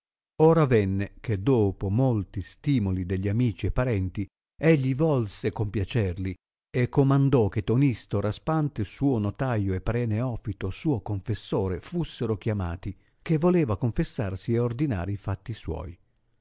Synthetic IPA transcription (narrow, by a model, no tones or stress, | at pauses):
oːɾavɛnːek̟ed̪oːpomolt̪ist̪iːmolid̪eʎːiamiːt͡ʃiepːaɾɛnt̪i | eʎːivɔlsekompjat͡ʃɛrli | ekːomand̪ɔk̟et̪ːonist̪oɾaspant̪esuːonot̪ajoepːɾɛːneɔfit̪osuːokoɱfesːoːɾefusːeɾokjama̰ːt̪i | k̟evːoleːvakoɱfesːarsieord̪ina̰ːɾiifat̪ːiswɔ̰ːj